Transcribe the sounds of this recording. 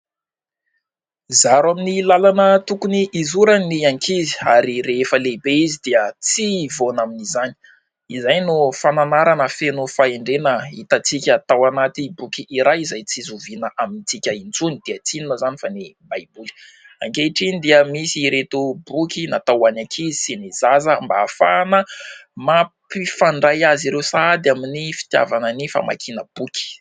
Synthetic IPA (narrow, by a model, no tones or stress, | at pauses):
zaɾaminilalanət̪ukuniʔːzuɾaniaŋkʰizi̥aɾiɾeefəlebeizid̪̥iət͡sivonaminizani̥ | izajnufananaɾanəfenufaeɳɖ͡ʐenəit̪at͡sikʲət̪awanat̪ibukʲiːɾajizajt͡sizuvinəʔaminit͡sikʲaint͡sunid̪̥iat͡sinunəzanifanebajbul̥ | a̰ŋɡeʈ͡ʂind̪iəmisiɾet̪ubukʲinat̪awanakʰizsinizazəmbaːfa̰nəmapifaɳɖ͡ʐajaziɾewsad̪aminifi̥t̪ja̰vanənifa̰ma̰kʰinəb̥ukʲi̥